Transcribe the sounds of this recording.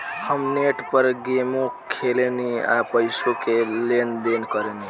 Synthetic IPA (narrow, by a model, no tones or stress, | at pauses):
həmneʈpəɾɡemõkʰelenia̰pəɪsokelend̪enkəɾeni